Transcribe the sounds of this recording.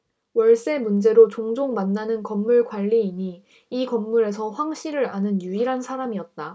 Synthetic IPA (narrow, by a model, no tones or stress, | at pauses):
wʌɭs͈e̞mund͡ʑe̞ɾot͡ɕoŋd͡ʑoŋmanːanɯnkʌmːuɭɡwaʎːiːɲi | ikʌmːuɾe̞sʰʌɸwaŋɕʰiɾɯɾanɯnjuiɾɦansʰaɾamiʌt̚t͈a